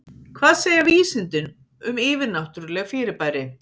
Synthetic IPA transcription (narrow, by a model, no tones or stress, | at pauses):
kʰvaːðseːjaviːsɪnt̪ɪn | ʏmɪːvɪɾnawt̪yɾlɛːɣfɪːɾɪɾpaːjɾɪ